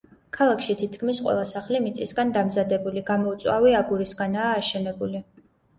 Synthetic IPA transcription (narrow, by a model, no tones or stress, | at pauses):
kʰalˠakʰʃit̪ʰit̪ʰkʰmisqʼwɛ̰lˠasaχlimit̪sʼisɡand̪amzad̪ɛbuliɡamɔut̪sʼwaviaɡuɾisɡanaːʃɛnɛbuli